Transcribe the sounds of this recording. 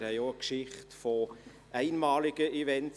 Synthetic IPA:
ɾhɛɪoəkʃɪχtfɔ | æɪnmɑːlɪɡ̥əʔivɛnt

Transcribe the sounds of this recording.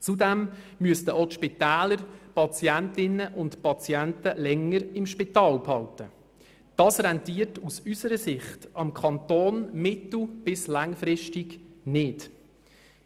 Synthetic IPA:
t͡sudɛm | myəstəʔotʃpit̪ɛːləɾpɑt͡sjæntɪnːəʔʊntpɑt͡sjæntəlɛŋːəɾɪmʃpitɑːlphɑltə | d̥ɑːsrɛntiːərtusysəɾəsɪχtʔɑmkʰɑntoːnmɪtl̩b̥ɪslɑŋfɾɪʃtiɡnɪt

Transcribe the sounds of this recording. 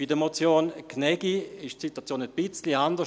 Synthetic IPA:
idəmot͡sjoːnkʰnɛɡ̥iɪʃtsitwat͡sjoːnətb̥ɪt͡sliandə

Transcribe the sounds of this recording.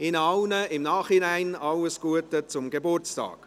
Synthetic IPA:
ɪnɑlnəɪmnɑːχhɪnaɪnɑləsɡ̥uətət͡sʊmɡebʊrt͡stɑ̰ːk

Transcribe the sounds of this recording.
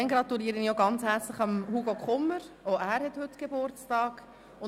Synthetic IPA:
ɛŋɡɾɑt̪uliːəɾənijoɡɑnt͡shæɾt͡slɪχɑmhuɡokχʊməɾoʊæːɾhɛthʏtɡ̥ebʊɾt͡stɑːk | ʊ

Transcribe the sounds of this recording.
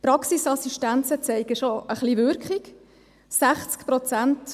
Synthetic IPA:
pɾɑksisɑsiʃtænt͡sət͡sɛɪɡəʃoəχliʋʏɾkχɪk | sæχt͡skpɾɔt͡sænt

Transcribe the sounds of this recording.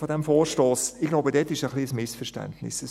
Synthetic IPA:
fodɛmfoːʃtoːsɪɡlaʊbədɛtːɪʃəχliəsmɪsfɛɾʃtɛ̰ntnɪ̰səs

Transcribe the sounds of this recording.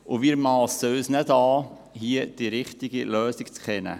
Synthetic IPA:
ʊʋiːɾmɑːlsːøːsnɛdɑː | hiəd̥iɾɪχt̪iɡilœːsikt͡skʰɛnə̰

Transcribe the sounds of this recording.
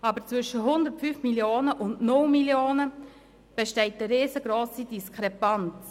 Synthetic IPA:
ɑːbəɾt͡sʋvʏʃəɦʊndəɾtfyːfmiljoːnəʔʊndnʊlmiljoːnə | b̥ɛʃtɛɪt̚əɾːeːzəɡɾoːsidiskʰɾɛpant͡s

